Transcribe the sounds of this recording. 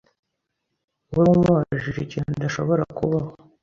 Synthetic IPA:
wuɾumwaʒiʒicinud̪aʃo̞βoɾakuβaho

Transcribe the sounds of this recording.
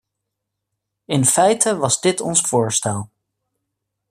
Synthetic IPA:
ɪnfɛjtʰəʋɑzdɪtɔ̰nsfʊːɹstɛlˠ

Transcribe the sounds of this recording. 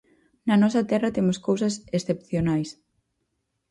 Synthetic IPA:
nɐnɔsɐt̪ɛrɐt̪emʊskowsɐsesθepθjonajs

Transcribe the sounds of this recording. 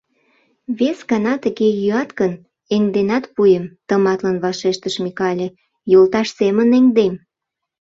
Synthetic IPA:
βesɡɑnɑt̪əɣejyɑt̪kən | eŋd̪enɑt̪pujəmt̪əmɑt̪lənβɑʃeʃt̪əʃmikɑlʲe | jolt̪ɑʃseməneŋd̪em

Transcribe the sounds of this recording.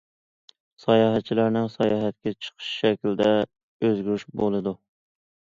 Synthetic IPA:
sɑjɑːɦɛt̪̚t͡ʃʰilæɾnɪŋsɑjɑːɦɛt̪kʲɛt͡ʃʰə̥qʰə̥ʃʃɛkʲlɪd̪ɛ | øzɡʲyɾyʃbolˠɨd̪u

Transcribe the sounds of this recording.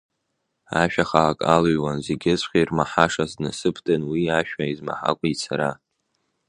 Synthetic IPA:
aʃᶣaχakʼalɥwanzeɡʲɪzʷχʲairmaħaʂaznɨsɨpʰdʰʼɨnwiaʃᶣaizma̰ħa̰kʷʼit͡sʰaɾa̰

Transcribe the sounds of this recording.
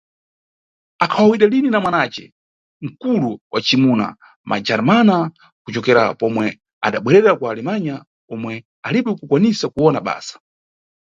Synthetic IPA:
akʰawawiɗalininamwanat͡ʃɛ̰ | ŋ̩kuluwʔat͡ʃimuna̰ | mʔa̰d͡ʒaɾmana | kut͡ʃɔkɛɾa̰pɔmwɛ | a̰ɗaɓwɛɾɛɾakwaːlɛmaɲa | ɔmwɛ | aliɓɛkukwanisakuwɔnaɓa̰ːsḁ

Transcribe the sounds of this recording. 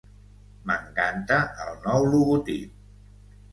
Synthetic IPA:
məŋkant̪əʔəlˠnɔwluɣut̪ip̚

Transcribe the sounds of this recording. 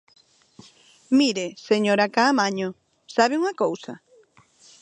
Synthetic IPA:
miɾeseɲoɾakaːmaɲo | saβeuŋɐkowsɐ̰

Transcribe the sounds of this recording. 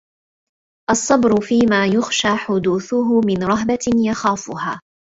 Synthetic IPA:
ʔɑsˤːɑbɾʊfiːmaːjʊxʃaːħʊd̪uːθʊɦʊmɪnɾˤɑɦbajaxaːfʊhaː

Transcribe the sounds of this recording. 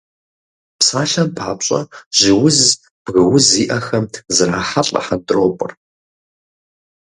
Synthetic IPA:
psaːɬɐmpʰaːpɕʼɐ̰ʒ̥ɪwʊz | b̥ɣɨwʊziːʔɐxɐmzɨraːħaɬʼɐ̰ħandroːpʷʼʊr

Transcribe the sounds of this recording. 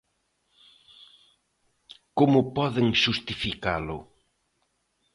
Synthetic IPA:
komʊpɔðɪŋʃust̪ifikalʊ̰

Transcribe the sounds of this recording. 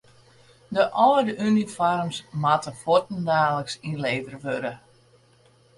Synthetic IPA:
dəʔɔːdəʔynifɔrmsmatəfotn̩daːləksinleːvərʋøɾə

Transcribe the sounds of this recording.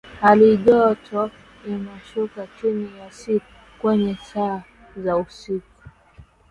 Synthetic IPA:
haliʄɔtʰɔ | inaʃukat͡ʃinijasiku | kwɛɲɛsa | zausiku̥

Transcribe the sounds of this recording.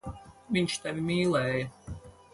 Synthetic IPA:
viɲt͡ʃt̪avʲimʲiːlˠɛːjɐ

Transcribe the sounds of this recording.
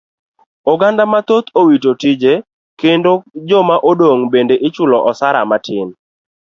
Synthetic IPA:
oɡandamat̪ot̪ʰowitotid͡ʒe | kendod͡ʒɔmaʔodoŋbendeʔɪt͡ʃʊlɔʔɔsaɾa̰matʰɪn

